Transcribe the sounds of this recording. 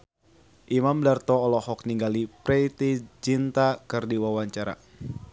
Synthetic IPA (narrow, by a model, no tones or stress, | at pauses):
ʔimamdart̪ɔːlɔhɔk̚niŋɡalipɾɛit̪id͡ʒint̪akɨrdiwawaɲt͡ʃaɾa̰